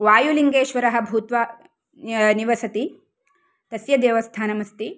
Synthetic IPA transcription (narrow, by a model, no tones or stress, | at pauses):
ʋaːjuliŋɡeːʃʋɐɾɐɦɐ̆bʱuːt̪ʋɐ | niʋɐsɐt̪i | t̪ɐsjɐd̪eːʋɐst̪ʰaːnɐmɐst̪i